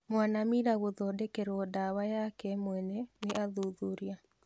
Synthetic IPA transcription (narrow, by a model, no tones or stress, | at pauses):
mwanamiɾaɣoðɔdɛkɛɾɔdawajakɛmwɛnɛneʔaðuðuɾia